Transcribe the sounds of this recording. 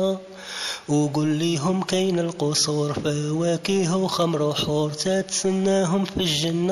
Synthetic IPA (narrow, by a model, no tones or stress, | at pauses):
wɡʊlːiɦʊmkæjnəlqosˤuɾfəwækiɦuwxæmɾˤuħuɾˤt̪æt̪sənːæɦʊmfiʒːənː